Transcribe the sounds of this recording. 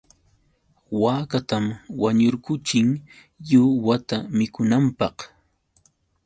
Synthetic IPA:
waːkat̪amwaɲʊɾkʊt͡ʃɪŋ | jʊwat̪amɪkʊnampɑq

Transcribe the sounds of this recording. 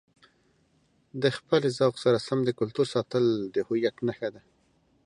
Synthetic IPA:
d̪əxpəlezɑwqsaɾasamd̪əkʊlt̪uɾsɑt̪əld̪əhʊjat̪naxad̪a

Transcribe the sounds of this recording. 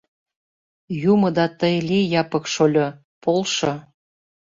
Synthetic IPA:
jumɤ̆d̪ɑt̪əjlʲijɑpɤ̆kʃolʲo | polʃŏ

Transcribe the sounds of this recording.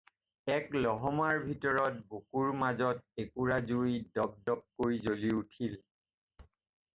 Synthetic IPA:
ɛklɔɦɔmaɹbʱitɔɹɔt̚bokuɹmazɔtekuɹazujdɔb̚dɔp̚koɹjzoliutʰil

